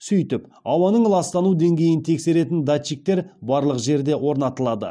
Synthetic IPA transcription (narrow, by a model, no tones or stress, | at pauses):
sʏjt̪ɪpɑwɑnəɴlˠɑst̪ɑnud̪e̞ŋɡʲe̞jɪnt̪ʰe̞kse̞ɾe̞t̪ɪnd̪at͡ʃik̚t̪e̞ɾbɑɾlˠəqʒe̞ɾd̪e̞wo̞ɾnɑt̪əlˠɑd̪ə̰